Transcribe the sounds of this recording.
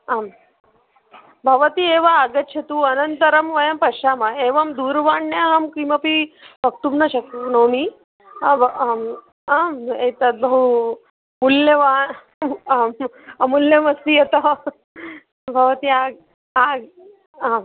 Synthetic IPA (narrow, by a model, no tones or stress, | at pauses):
am | bʱɐʋɐt̪ieːʋaaɡɐtːɕʰɐt̪uɐnɐnt̪ɐɾɐmʋɐjɐmpɐʃaːmɐeːʋɐmd̪uːɾʋaːɳːjaɦɐmkimɐpibʱɐk̚t̪umnɐɕɐk̚t̪unoːmi | amet̪ɐt̪̚bʱɐɦu | muljɐʋaː | m | ɐmulːjɐmɐsijet̪ɐ | bʱɐʋɐt̪iaɡ | aɡ | a